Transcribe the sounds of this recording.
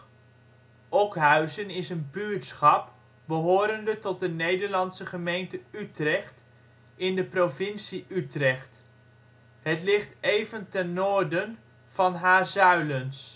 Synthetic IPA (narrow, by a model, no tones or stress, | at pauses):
ɔkɦœɥzənɪsənbyːtsχɑp̚ | bəɦoːɾəndətɔt̚dənejdəɹlɑnsəχəmejntəytrɛχt | ɪndəprovɪnsiytrɛχt | ɦətlɪχtejvəntɛnːʊːɹdən | v̥ɑnɦaːɹzœɥləns